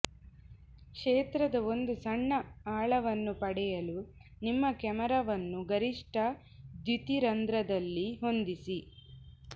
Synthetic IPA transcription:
kʂeːt̪ɾɐd̪ɐo̞nd̪usɐɳːɐaːɭɐʋɐnːupɐɽɛjɐlunimːɐkɛmɐɾɐʋɐnːuɡɐɾiʂʈɐ | d̪jut̪iɾɐnd̪ɾɐd̪ɐlːiɦo̞nd̪isi

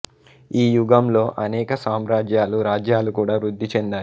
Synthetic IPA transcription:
iːjuɡɐmlo̞ːʔɐnɛːkɐsaːmɾaːd͡ʒjaːluɾaːd͡ʒjaːlukuːɽaːʋɾud̪ʱːit͡ʃend̪aː

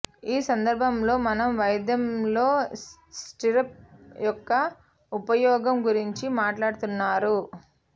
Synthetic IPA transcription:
iːsɐnd̪ɐɾbʱɐmlo̞ːmɐnɐmʋɐjɐd̪jɐmlo̞ːsʈiɾɐp̚jɔkːɐ | upɐjɔːɡɐmɡuɾiɲt͡ʃimaːʈlaːɽut̪unːaːɾu

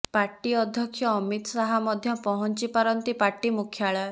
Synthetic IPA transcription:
paɾʈiɔd̪ʱjɔkʰjɔːmit̪saɦamɔd̪ʱjɔpɔɦɔnt͡ʃipaɾɔnt̪ipaɾʈimukʰjaɭɔe

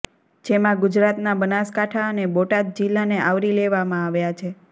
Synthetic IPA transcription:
d͡ʒemãɡud͡ʒɾat̪nabənaskaʈʰaəneboʈad̪̚d͡ʒilːaneʔaʋɾileʋamãaʋjat͡ʃʰe

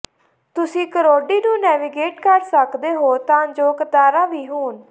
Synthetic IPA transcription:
t̪ʊsĩːkəɾoːɖiːnũːnɛːʋiːɡeːʈkəɾsəkd̪eːɦoːt̪ãːd͡ʒoːkət̪aːɾãːʋiːɦuːn

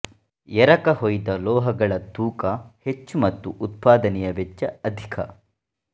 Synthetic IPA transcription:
ɛɾɐkɐɦojd̪ɐlɔːɦɐɡɐɭɐt̪uːkɐhet͡ʃːumɐt̪ːuʔut̪̚paːd̪ɐnɛjɐʋet͡ʃːɐɐd̪ʱikʰɐ̰

